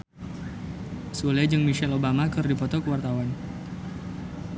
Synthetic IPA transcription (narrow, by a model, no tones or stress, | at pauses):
sulɛd͡ʒɨŋmiʃɛlobamakɨrdipɔt̪ɔkəwart̪awan